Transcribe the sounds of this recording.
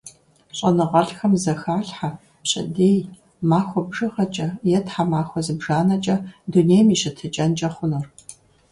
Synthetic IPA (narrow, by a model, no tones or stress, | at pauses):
ɕʼɐnɨʁɐɬxɐmzɐxaːɬħa | ɕʼɪ̰deːj | maːxʷɔbʒɨʁɐt͡ʃʼɐjɛtħamaːxʷɔzɨbʒaːnɐt͡ʃʼɐduneːjmiɕɪtʰɨt͡ʃʼɐnt͡ʃʼɐχʷʊnɨr